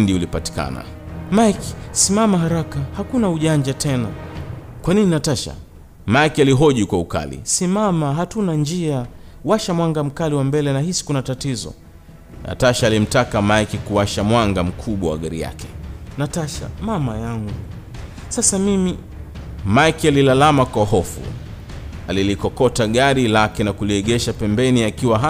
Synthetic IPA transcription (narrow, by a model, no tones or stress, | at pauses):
ndiulipati̥ka̰na̰ | maki̥simamaɦaɾakahakunauʄand͡ʒatʰɛna | kwanininataʃa̰ | maikialiɦɔʄukwauka̰lḭsimamaɦatunand͡ʒia | waʃamwaŋɡam̩kaliwambɛlɛnahisi̥kunatatizɔ̰ | nʔa̰taʃaːlim̩takamakikuwaʃamwaŋɡam̩kʰuɓwa̰wa̰ɠaɾḭja̰kɛ̥nataʃa̰mamajaŋɡu | sasamimi | maikialilalamakwahɔfṵ | alilikɔkɔtaɠaɾilakɛnakuliɛɠɛʃapɛmbɛniakiwaɦa